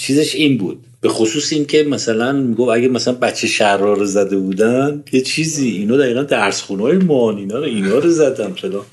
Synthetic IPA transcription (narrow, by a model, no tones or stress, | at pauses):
t͡ʃʰiːze̞ʃiːnbṵːd̪̥̚b̥e̞xosuːsiːncʰe̞mæsælænmiːɡofæɡæmæsælænbæt̪t͡ʃʰːeʃærɒːɾezæd̪e̞buːd̪ænd̪jet͡ʃʰiːziːinɒːd̪æɾiːɣænd̪æɾsχuːnɒːjemɒːniːnɒːɾoinɒːɾozæd̪ænfelɒː